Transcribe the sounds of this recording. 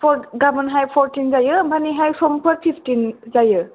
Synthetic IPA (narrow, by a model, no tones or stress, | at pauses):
pʰɔɡabɔnɦajpʰɔɹtinzajɯbʱaniɦajsɔmpʰɔɾpʰipʰtinzajɯ